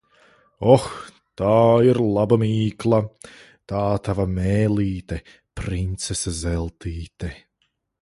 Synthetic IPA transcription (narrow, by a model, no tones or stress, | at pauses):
ɔx | t̪aːiɾlˠabamiːklˠa | t̪aːt̪avamɛːlˠiːt̪ɛ | pɾint̪sesazɛlˠt̪iːt̪ɛ